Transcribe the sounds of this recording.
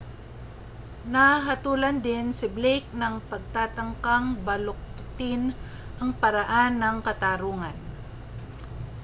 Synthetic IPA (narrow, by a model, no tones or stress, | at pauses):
naɦɐt̪uːlɐnd̪ɪnsɪblejk̚nɐŋpɐɡ̚t̪aːt̪ɐŋkaŋbɐlʊk̚t̪ɪn | ʔɐŋpɐɾaʔanːɐŋkɐt̪aːɾuːŋan